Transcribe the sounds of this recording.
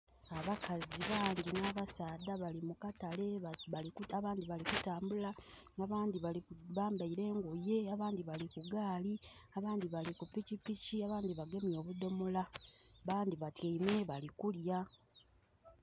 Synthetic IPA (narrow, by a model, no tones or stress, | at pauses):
aβakaziβaːŋɡinaːβasaːdaβalimukatale̞alikuaβaːnd̪iβalikutaːmbula | ŋɡaβaːndiβaiβaːmbaiɾe̞ːŋɡuje̞aβaːnd̪iβalikuɡaːli | aβaːndiβalikupicipiciaβaːndiβaɡe̞mjo̞ːβudo̞molaβaːndiβateime̞βalikulja